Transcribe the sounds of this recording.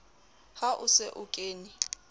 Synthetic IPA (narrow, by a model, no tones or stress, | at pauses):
haʔʊsɪʔʊkʼeːnɪ